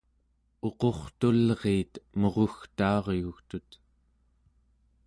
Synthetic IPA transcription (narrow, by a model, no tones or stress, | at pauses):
o̞qo̞χt̪ulʁeːt̪moʁoxt̪ɑːʁjuxt̪ut̪